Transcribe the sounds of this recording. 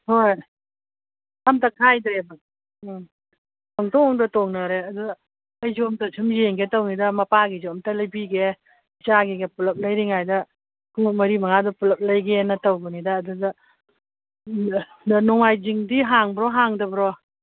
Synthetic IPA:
hoj | amtɐkʰajdɾeba | taŋtɔŋɔŋdɐtoŋnɐɾeɐduɡɐː | jzomtɐsʰumjeŋɡetownidɐmɐpaɡizɔmtɐlɐjbiɡe | t͡ʃaɡeɡepulɐp̚lɐjɾiŋajdɐ | kumɐɾimɐŋadɐpulɐp̚lɐjɡenɐtɐwbɯnidɐːdudɐ | nɔŋajziŋdiɦaŋbɾɔɦaŋdɐbɾɔ

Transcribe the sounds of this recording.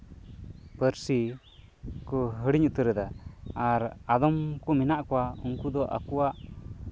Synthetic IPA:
pəɾsi | kɔɦəɽiɲut̪əɾɛd̪aaɾad̪ɔmkuminaʔkɔwauŋkud̪ɔʔa̰kuwaʔ

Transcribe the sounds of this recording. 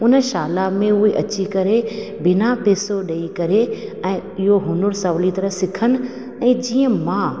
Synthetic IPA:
ʊnəʃaːlamẽʊɦeʔɐt͡ɕikɐɾebɪnapeːsoɗɐikɐɾeɛ̃ːɪɦoɦʊnʊɾsɐʋlit̪ɐɾəɦsɪkʰənɪ̆ | ɛ̃ːd͡ʑiːə̃mãː

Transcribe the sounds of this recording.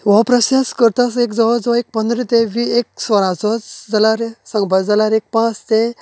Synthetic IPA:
ʋɔpɾəsjaskəɾt̪asekd͡zɔʋad͡zʋek̚pənd̪ɾit̪ẽʋiek̚sʋəɾãt͡sɔt͡sd͡zalaɾsə̃ŋɡbʱəd͡zalaɾek̚pãt͡st̪e

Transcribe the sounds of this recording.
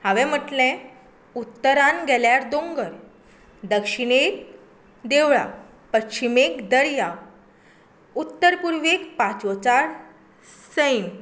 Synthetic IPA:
haʋɛ̃m̤əʈlɛ̃ | ut̪ːəɾanɡʱɛljaɾd̪õŋɡəɾ | d̪əkɕiɳek̚ | d̪eʋɭa̰ | pətːɕimekd̪əɽja | ut̪ːəɾpuɾʋekpat͡sot͡saɽ | səjn

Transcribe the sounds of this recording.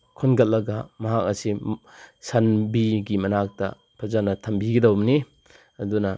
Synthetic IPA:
kʰonɡɐt̚lːɐɡɐmɐɦak̚ɐsi | sanbiɡimɐnak̚tɐ̰ | pʰɐzanɐtʰɐmbiɡidɐwmni | ɐdunɐ

